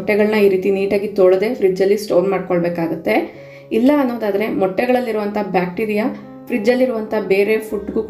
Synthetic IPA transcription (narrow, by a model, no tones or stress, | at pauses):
ʈːɛɡɐɭnɐiːɾiːt̪iniːʈaːɡit̪oːɭɐd̪e̞ːfʰɾid͡ʒɐlːisʈoːɾmaːɖkoɭbeːkaːɡut̪ːe̞ | ilːɐːnːo̞ːd̪aːd̪ɐɾe̞mɔʈːɛɡɐɭɐlːiɾuʋɐnt̪ʰɐɦbjaːk̚ʈiːɾija | fʰɾid͡ʒɐlːiɾuʋɐnt̪ʰɐbe̞ːɾe̞pʰuʈːɡuːk